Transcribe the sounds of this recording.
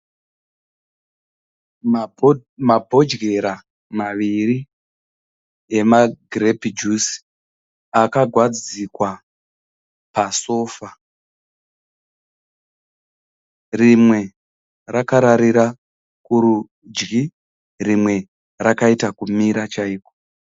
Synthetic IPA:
mabʱo̞d͡ʒɡe̞ɾa | maʋiri | e̞maɡrepid͡ʒus | akaɡʱwad͡zikwa | paso̞ːfa | rimwe̞ | rakaɾaɾiɾa | kuɾu | d͡ʒɡi | rimwe̞ | rakaitakumiɾat͡ʃaiːko̥

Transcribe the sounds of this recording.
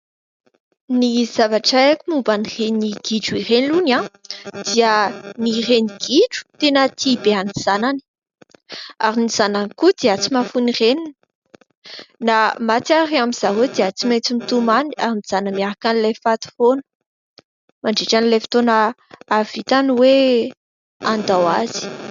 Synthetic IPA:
niz̥avaʈ͡ʂaekʲimumbanireniɡ̥iɖ͡ʐuiɾenilunãd̪̥iənireniɡ̥iɖ͡ʐu̥t̪enət̪ʰibeaniz̥anani̥ | aɾiniz̥ananikud̪̥eat͡simafunirenini | namat͡s̪aɾiamiz̥awed̪eat͡simet͡simit̪umaniaɾiniz̥anəmiaɾakanilefat̪u̥fonə̥ | maɳɖ͡ʐeʈ͡ʂanilefi̥t̪onaː | vit̪aniwe | and̪awaz̥i̥

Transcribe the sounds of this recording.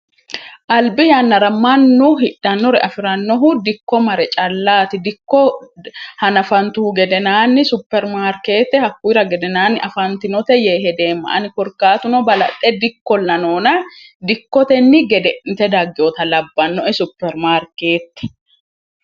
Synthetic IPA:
ʔɐlbɪjanːɐɾɐmɐnːʊɦɪᶑːɐnːɔɾɛʔɐfɪɾɐnːɔɦʊd̪ɪkːɔmɐɾɛt͡ʃʼɐlːaːt̪ɪd̪ɪkːɔ | hɐnɐfɐnt̪ʊhʊɡɛd̪ɛnaːnːɪsʊpːɛɾmaːɾkeːt̪ːɛhɐkːujɾɐɡɛd̪ɛnaːnːɪʔɐfɐnt̪ɪnɔt̪ɛjeːɦɛd̪e̞ːmːɐ̰ʔɐnɪkɔɾkːaːt̪ʊnɔbɐlɐ̰t̪ʼːɛd̪ɪkːɔlːɐnoːnɐd̪ɪkːɔt̪ɛnːɪɡɛd̪ɛnt̪ɛd̪ɐɡːɪoːt̪ɐlɐbːɐnːɔʔɛsʊpːɛɾmaːɾkeːt̪ːɛ̥

